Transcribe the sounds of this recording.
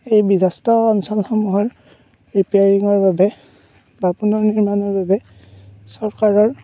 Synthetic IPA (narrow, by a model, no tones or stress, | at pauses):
ejbizastɔːnsɔlxɔmuɦɔɹ | ɹipeaɹiŋɔɹbabɛ | bapunɔɹniɹmanɔɹbabɛ | sɔɹkaɹɔɹ